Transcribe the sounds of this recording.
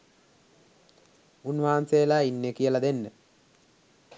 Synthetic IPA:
unʋaːanseːlaːinːekijəlad̪enːə

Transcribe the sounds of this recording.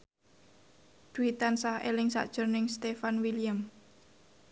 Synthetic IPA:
d̪̥uit̪ansahḛlɪŋsa̰ʔd̥ʒ̥ʊ̤rnɪŋst̪efanwilijam

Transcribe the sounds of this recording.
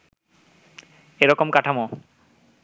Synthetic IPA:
eɾɔkomkaʈʰamo

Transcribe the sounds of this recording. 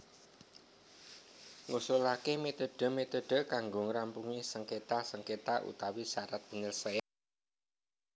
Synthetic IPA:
ŋusulakemet̪oɖ̥ə̤met̪oɖ̥ə̤kaŋɡoŋɾampuŋisəŋket̪asəŋket̪aʔṵt̪awisaɾat̪̚b̥əɲəlsaja

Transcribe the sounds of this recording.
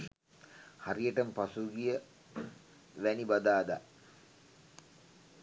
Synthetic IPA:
harijəʈəmpasuɡijə | ʋænibad̪aːd̪a

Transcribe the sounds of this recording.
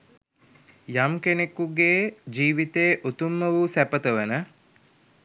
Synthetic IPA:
jamkenekuɡeːd͡ʒiːʋit̪eːʔot̪umːəʋusæpət̪əʋənə

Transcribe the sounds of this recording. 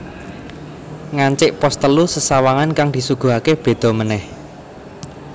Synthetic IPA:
ŋaɲt͡ʃɪʔpɔst̪əlusəsawaŋankaŋd̪i̤suɡ̥ṳɦakeb̥e̤d̪̥ɔ̤mənɛh

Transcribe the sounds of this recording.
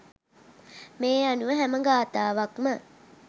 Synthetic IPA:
meːanuʋəɦæməɡaːt̪aːʋakmə

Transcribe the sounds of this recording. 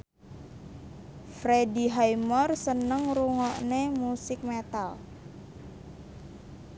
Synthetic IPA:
fɾediɦajmɔrsənəŋruŋɔʔnemusɪk̚met̪al

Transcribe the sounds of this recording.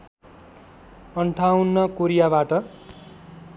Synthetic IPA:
ʌɳʈʰawnːʌkoɾijabaʈʌ

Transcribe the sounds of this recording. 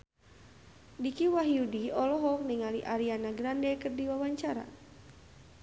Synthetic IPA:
dikiwaɦiudiɔlɔɦɔk̚niŋaliʔaɾianaɡɾandɛkɨrdiwawaɲt͡ʃaɾa̰

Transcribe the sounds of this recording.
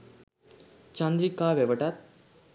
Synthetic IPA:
t͡ʃãnd̪ɾikaːʋeʋəʈat̪̚

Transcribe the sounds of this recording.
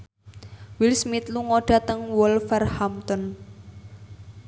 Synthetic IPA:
wilsmit̪luŋoɖ̥a̤t̪əŋwɔlfɛrhamt̪ɔn

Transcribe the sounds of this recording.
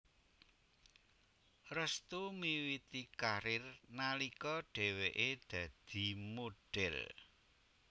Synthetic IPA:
rəst̪umiwit̪ikaɾɪrnalikɔɖ̥e̤weʔed̪̥ä̤d̪̥i̤moɖ̥ɛl

